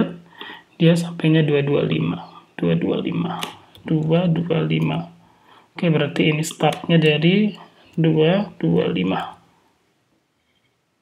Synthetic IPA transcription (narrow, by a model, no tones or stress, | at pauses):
t̪̚d̥iasampajɲaduadua̰lḭmad̥ua̰dua̰lḭmad̥uadualima | kajabəɾart̪iːnist̪art̪̚ɲadaɾi | duad̥ua̰lḭma